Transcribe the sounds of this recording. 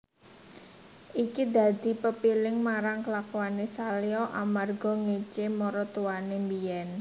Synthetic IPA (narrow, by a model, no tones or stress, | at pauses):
ʔikid̪a̤d̪̥i̤pəpilɪŋmaɾaŋkəlakuanesaliɔʔa̰marɡɔ̤ŋet͡ʃemɔɾɔt̪uwanembijɛn